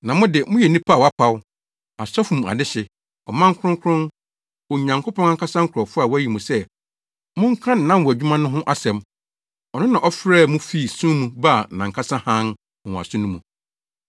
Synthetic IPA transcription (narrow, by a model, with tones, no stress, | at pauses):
nã˨mʊ̃˦dɪ˨mʊ̃˦jɛ˨nĩ˦pʰa˦˨wa˦pʰa˦w | a˨sɔ˦fũ˨m̃˨a̰˨dɪ˦ɕɪ˨ | ɔ˨mã˦ŋ˦kʰʊ˦ʊ̃˦ŋ˦kʰʊ˦ɾʊ̃˦n | wɔ˨ɲã˨ŋkʰo˦pʰɔ̃˦nã˦ŋkʰa˦sã˦ŋ̩˦kʷʰɾɔ˨fʊ˦a˨wæ˦ji˨mũ˨sɛ˦ | mʊ̃˦ŋ̩˦kʰã˦n̩ː˨ã˦˨mwɔ˨æ˨d͡ʑᶣu˦mã˦nʊ̃˦ɦʊ̃˦ʔa˦sɛ̃˨m | ɔ˨nʊ̃˦nã˨ʔɔ˦fɾɛː˦˨mũ˦fi˦˨sũ˦mũ˨ba˦a˨nã˨ŋkʰa˦sã˦hã˦n˨ | w̃a̰˨sʊ̃˦nʊ̃˦mũ˨